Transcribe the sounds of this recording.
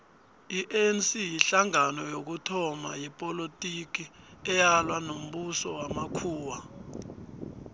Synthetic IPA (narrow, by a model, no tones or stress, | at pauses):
iʔensijiɬaŋanɔjok̬utʰɔma̰jipʼolotʼik̬iɛjalwanom̩ɓusɔwamakʰuːwa